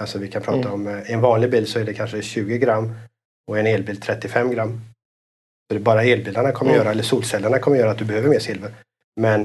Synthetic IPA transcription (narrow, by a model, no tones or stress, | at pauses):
alsɔvɪkʰanpʰɾɑːt̪aɔmɛnvɑːnlɪɡ̚biːlsɔæɖɛkʰanʂəɕʉ̟ːɡəɡɾamː | ɔɛneːlbiːlt̪ʰɾɛt̪ːɪfɛmːɡɾamː | sɔd̪ɛbɑːɾaeːlbild̪aɳakʰɔmːəɾjœːɾaɛlːəʂuːlsɛlːaɳakʰɔməɾjœːɾat̪̚d̪ɵbɛhøːvəɾmeːʂɪlvəɾ | mɛn